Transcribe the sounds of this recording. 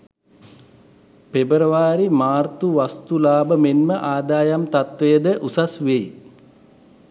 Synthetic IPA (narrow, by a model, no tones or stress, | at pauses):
pebəɾəʋaːɾimaːrt̪uʋast̪ulaːbəmenməʔaːd̪aːjamt̪at̪ʋejəd̪əʔusasʋej